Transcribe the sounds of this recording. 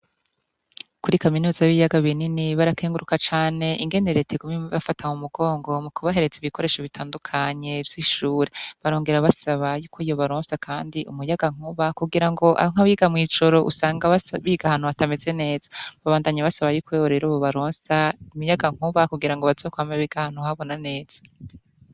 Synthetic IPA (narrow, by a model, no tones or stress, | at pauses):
kuɾikaminuːzaβijaɡaβininiβaɾakeːŋɡuɾukat͡ʃaːne̞ʔiŋɡe̞neɾe̞tʰeɡumeβafataŋumuɡo̞ːŋɡo̞mukuβaɦe̞ɾe̞d͡ziβiko̞ɾe̞ʃoβitʰaːndukʰaɲe̞vj̥iʃuːɾeβaɾoːŋɡe̞ɾaβasaβajuːkʰo̞ijo̞βaɾoːnsakʰaːndiʔumujaɡaŋ̥uβakuɡiɾaŋɡo̞ʔa̰ŋ̥aβiɡamŋiːd͡ʒo̞ɾo̞ʔṵsaːŋɡaβaβiɡahan̥uatame̞ze̞ne̞ːz̥ḁβaβaːndaɲaβasaβajuːkoeβoɾeɾoːβoβaɾoːnsaimujaɡaŋ̥uβakuɡiɾaŋɡoβazo̞ːkwaːmaβiɡ̥ahan̥uhaβo̞nane̞ːz̥ḁ